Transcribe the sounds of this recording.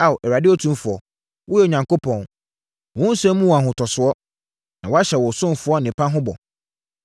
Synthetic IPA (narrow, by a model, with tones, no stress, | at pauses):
a˨wʔɛ˨ɾa˨dɪ˦o˦tʰũ˦mfʊ˨ɔ˨ | wʔʊ˦ɛ˦o˨ɲã˨ŋko˦pʰɔ̃˨n | wɔ̃˦n̩˦sɛ̃˦mũ˦wɔ˨a˨ɦʊ̃˨tʰɔ˨sʊ˨˦ɔ˦ | nã˨wɔ˦a˦ɕɛ˨wɔ˨sʊ̃˦m˨fʊ˦ɔ˦nɪ̃˨pʰã˦ɦʊ̃˦bɔ̰˨